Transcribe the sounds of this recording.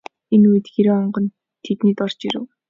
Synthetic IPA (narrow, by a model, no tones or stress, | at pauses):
enujɘ̆t̪ɡeɾoːɔɴɢɞ̆n | t̪ʰet̪niːt̪ɔr̥t͡ɕiɾɘ̰̆w